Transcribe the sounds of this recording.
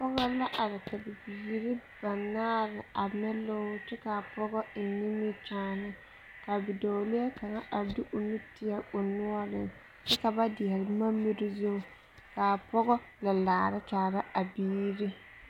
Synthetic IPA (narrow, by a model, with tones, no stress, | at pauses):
pɔ˦ɣɔ˦la˦ʔa˨ɾɪ˨ta˨bɪ˨biː˨ɾi˦b̥a˨naː˦ɾɪ˨a˨mɛ˦lo˦tɪ˦ka˨pɔ˦ɡɔ˦ɪ˨ni˦mɪ˦t͡ʃaː˦nɪ˦ | ka˨bɪ˨do˨lɪ˦ɛ˦ka˨ŋa˦ʔa˨di˦ʔʊ˨ni˦tɪ˦a˦ʊ˨nʊ˦ɔ˦lɪ˨n | tɪ˦ka˨ba˦dɪ˨ɛ˨ɾɪ˨ma˦mːɪ˦ɾɪ˦zu˦ | ka˨pɔ˦ɡɔ˦ | la˨laː˨ɾɪ˦taː˨ɾa˦a˨biː˦ɾi˦